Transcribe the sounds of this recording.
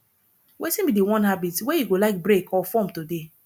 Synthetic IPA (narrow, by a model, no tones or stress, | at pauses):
wetĩnbidewɔ̃nɦabitwejiɡolaɪk̚bɹekʰɔfɔ̃mtude